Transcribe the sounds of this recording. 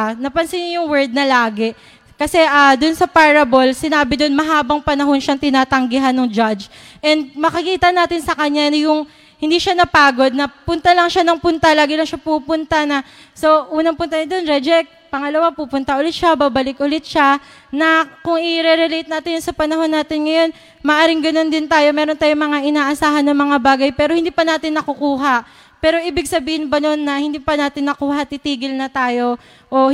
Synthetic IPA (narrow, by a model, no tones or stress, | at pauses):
nɐpɐnsɪnjʊŋwɛɹd̪̚nɐlaːɡɛ | kɐsɛʔaːd̪ʊnsɐpaɹɐbo̞lsɪnaːbɪd̪onmɐɦaːbɐŋpɐnɐɦo̞nʃɐŋt̪ɪnaːt̪ɐŋɡɪɦanːoŋd͡ʒad͡ʒ | ʔɛnd̪̚mɐkɐkiːt̪ɐnaːt̪ɪnsɐkɐɲːanjʊŋ | hɪnd̪iːʃanɐpaːɡo̞d̪̚nɐpʊnt̪ɐlɐŋʃanɐŋpʊnt̪alaːɡɪlɐŋʃapupʊnt̪ɐnɐ | so̞ʔuːnɐŋpʊnt̪ɐnɲɐd̪o̞nɾɛd͡ʒɛk̚pɐŋɐlɐwapupʊnt̪ɐʔʊlɪt̪̚ʃabaːbɐlɪkʔʊlɪt̪̚ʃa | nɐkʊŋɪɾɛɾɛlejt̪̚naːt̪ɪnjʊnsɐpɐnɐɦo̞nːaːt̪ɪnŋɐjo̞n | mɐːʔaːɾɪŋɡɐno̞nd̪ɪnt̪aːjo̞mɛːɾot̪aːjoŋmɐŋaʔɪnaːʔɐsaːɦɐnːɐŋmɐŋabaːɡɐjpɛːɾo̞hɪnd̪iːpɐnaːt̪ɪnːɐkʊkuːɦɐʔ | pɛːɾo̞ʔiːbɪɡ̚sɐbiːhɪnbɐno̞nːɐhɪnd̪ipɐnaːt̪ɪnːɐkuːɦɐt̪ɪt̪iːɡɪlnɐt̪aːjo̞ | ʔo̞